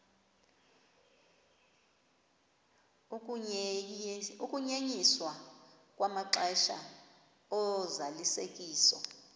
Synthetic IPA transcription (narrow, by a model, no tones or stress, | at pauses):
ukʼuɲeɲiswa | kʼwamaǁɛʃa̰ | ɔzalisekʼiːsɔ̰